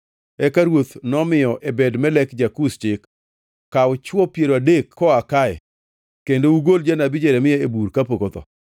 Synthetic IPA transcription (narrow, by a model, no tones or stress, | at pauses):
ɛkaɾwot̪nɔmɪjɔʔebɛdmɛlɛkd͡ʒakust͡ʃɪkː | aʊt͡ʃwɔpjeɾoadekːɔakaɛ̰ | kendouɡold͡ʒanabɪd͡ʒɛɾɛmɪjɛebuɾkapokot̪ɔ̰